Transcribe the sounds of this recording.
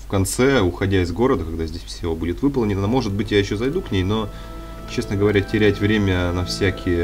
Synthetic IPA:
fkɐnt̪sɛʊxɐdʲaɪzɡo̞ɾəd̪əkɐɡd̪azʲdʲesʲfsʲɪobudʲɪt̪vɨpəlˠnʲɪnnmo̞ʐɨd̪̚bɨtʲjajɪɕːozɐjd̪uknʲejno̞ | t͡ɕe̞snəɡəvɐɾʲætʲɪɾʲætʲvɾʲemʲənɐfsʲækʲɪjə

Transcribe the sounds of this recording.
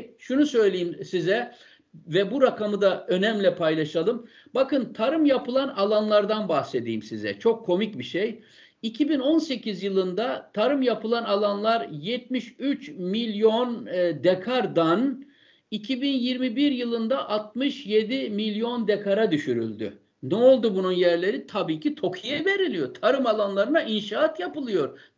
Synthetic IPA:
ʃunusø̞jlʲejimsizɛ | vɛbuɾakamɯd̪aø̞næmlʲɛpʰajlˠaʃalˠɯm | bakɯnt̪ʰaɾɯmjapʰɯlˠanalˠanlˠaɾd̪anbahse̞d̪ḭːimsizɛ̰t͡ʃʰo̞kʰːo̞micbiʃej | icʰibino̞nse̞cizjɯlˠɯnd̪at̪ʰaɾɯmjapɯlˠanalˠanlˠaɾjɛt̪̚miʃyt͡ʃmilʲjo̞nd̪ekʰaɾd̪an | icʰibinjiɾmibiɾjɯlˠɯnd̪aʔat̪̚mɯʃje̞d̪imilʲjo̞nd̪ekʰaɾad̪yʃyɾy̰lʲd̪y̰ | nɛolˠd̪ubununjæɾlʲe̞ɾit̪ʰabiːcʰit̪ʰo̞kʰijɛve̞ɾilʲijo̞ɾt̪ʰaɾɯmalˠanlˠaɾɯnaʔinʃaːat̪japɯlˠɯjo̞ɾ

